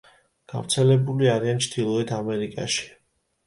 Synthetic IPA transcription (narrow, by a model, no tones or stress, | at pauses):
ɡ̥a̰vɾt̪sʰɛlɛbuliaɾiant͡ʃʰd̪̥ilˠɔit̪ʰamɛɾikʼa̰ʃi̥